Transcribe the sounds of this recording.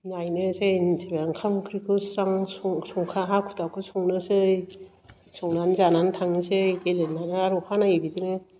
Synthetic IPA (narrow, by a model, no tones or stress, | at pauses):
najnɯsentʰebaŋkʰamkʰɾikʰusaŋsŋsuŋkʰaɦakʰu̥tawkʰɯsɔŋnɯsɯj | sɔŋnanzanantʰaŋnisɯjkelenːanɯaɾukʰanaibidɯnɯ